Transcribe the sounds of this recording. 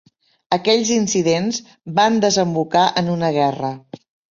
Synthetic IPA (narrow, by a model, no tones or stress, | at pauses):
əkɛʎʲzinsiðenz | band̪əzəmbukaʔənunəɣ̞ɛrə